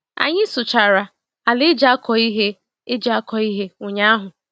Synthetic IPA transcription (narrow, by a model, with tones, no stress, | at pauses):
a̰˨ɲɪ˦sʊ˨t͡ʃa˨ɾa˨ | a˨lɪ˦d͡ʒa˦kɔ˨i˦ɦe˦ | ɪ˦d͡ʒa˦kɔ˨i˦ɦe˦ʊ˨ɲa˦a˦ɦʊ˨